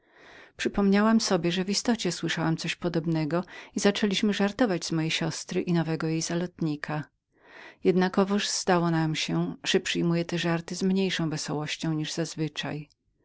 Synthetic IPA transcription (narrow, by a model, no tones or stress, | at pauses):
pʂɘpɔmɲawamsɔbʲjɛʐɛvist̪ɔt͡ɕɛswɘʂawamt̪sɔɕpɔd̪ɔbnɛɡɔizat͡ʂɛlʲiɕmɘʐaɾt̪ɔvad͡ʑzmɔjejɕɔst̪ɾɘʔinɔvɛɡɔjejz̥alɔt̪ɲikʰa | jɛd̪nakɔvɔʐz̥d̪awɔnamɕɛʐ̥ɛpʂɘjmujɛt̪ɛʐaɾt̪ɘzmɲejʂɔ̃w̃vɛsɔwɔɕt͡ɕɔ̃w̃ɲiʐz̥azvɘt͡ʂa̰j